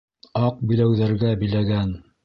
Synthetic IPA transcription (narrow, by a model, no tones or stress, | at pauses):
ɑq̚bɵ̆jlæwðæɾɡæbɘ̆jlæɡæn